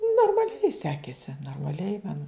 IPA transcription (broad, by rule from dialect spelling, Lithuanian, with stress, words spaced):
noːrmɐˈlʲɛɪ ˈsʲæːkʲeːsʲɪ noːrmɐˈlʲɛɪ mɐn